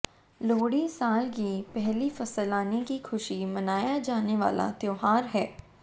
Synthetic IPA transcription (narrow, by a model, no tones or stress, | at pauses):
loːɽisaːlkipɛɦlifɐsəlaːnikixʰʊʃimɐnaːjad͡ʒaːneʋa̰ːla̰t̪joːɦaːɾɦɛː